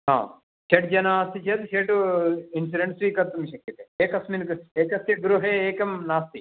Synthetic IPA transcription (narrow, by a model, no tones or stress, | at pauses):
ɦã̰ː | ʃeʈ̚d͡ʒɐnaːɐst̪it͡ʃʰet̪ʃeʈuinsiɖeɳʈsʋiːkɐɾt̪umiɕɐkːɐt̪eeːkɐsminkeːkɐst̪jeɡɾuɦeeːkɐmnaːst̪i